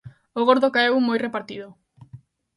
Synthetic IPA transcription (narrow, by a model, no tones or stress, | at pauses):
oɣ̞oɾðokaewmojrepaɾt̪ið̞o